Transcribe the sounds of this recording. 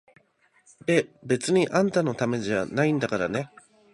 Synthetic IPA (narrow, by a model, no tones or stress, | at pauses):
d̪e̞be̞t͡sɨɲ̟iʔãnt̪ano̞t̪ame̞ʑanaĩnd̪akaɾane̞